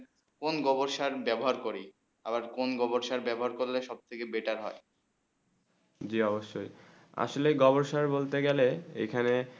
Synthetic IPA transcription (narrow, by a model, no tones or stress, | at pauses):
konɡɔboɾʃaɾbɛboɦaɾkoɾi | abaɾkonɡɔboɾʃaɾbɛboɦaɾkoɾleʃɔb̚t̪ʰekebeʈaɾɦɔe | d͡ʑiɔboʃːoj | a̰ʃoleɡɔboɾʃaɾbolt̪eɡɛleḛkʰane